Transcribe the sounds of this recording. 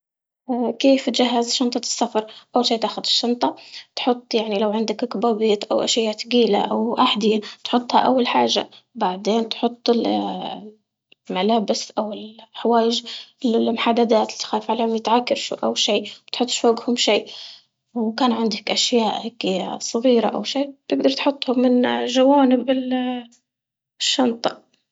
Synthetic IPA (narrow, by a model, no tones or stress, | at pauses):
keːft̪ʒaɦːazʃɑnt̪ˤɑ̥sːafɑɾˤʔawʃiːt̪aːxʊd̪ɪʃːɑnt̪ˤɑt̪ħʊt̪ˤːjaʕnilawʕɪnd̪akkbaːbiːt̪ʔawʔaʃaːt̪ɡiːla̰ʔawʔaħd̪ɪjat̪ħʊt̪ˤːha̰ʔawːalħaːʒa̰baʕd̪eːnt̪ħʊt̪ˤːɪl | malaːbɪsʔawɪlħawaːjɪʒ | mʊħad̪ːad̪aːt̪t̪xaːfʕaleːʊmjɪt̪ʕakːɑɾʃṵːʔawːʃiːwt̪ħʊt̪ˤːʃfaːɡhʊmʃiː | wkaːnʕɪnd̪akʔaʃjaːʔaksˤɑɣiːɾa̰ʔa̰wʃiːt̪ɪɡ̚d̪ɑɾˤt̪ħʊt̪ˤːhʊmːɪnʒawaːnɪbɪl | ʃːɑnt̪ˤɑʔ